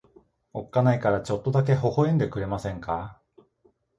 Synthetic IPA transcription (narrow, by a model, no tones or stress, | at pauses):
o̞kːanaikaɾat͡ɕo̞t̪ːo̞d̪ak̬e̞ho̞ho̞ẽ̞nd̪e̞kɯ̟ɾe̞masẽ̞ŋka